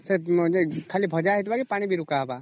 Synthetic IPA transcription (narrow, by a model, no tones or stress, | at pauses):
sed͡ʒekʰaːlibʱəd͡ʒaɦit̪baɡepaːɽ̃ibʱiɾukaɦba